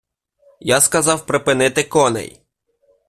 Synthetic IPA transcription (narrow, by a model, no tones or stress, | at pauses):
jaskɐzɑwpɾɪpɪnɪt̪ɪkɔnɛ̰j